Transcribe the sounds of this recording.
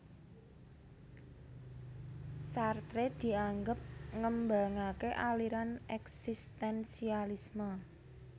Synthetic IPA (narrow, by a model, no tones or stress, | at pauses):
sart̪ɾed̪̥i̤aŋɡəp̚ŋəmbaŋakeʔaliɾanɛksist̪ɛnsialismə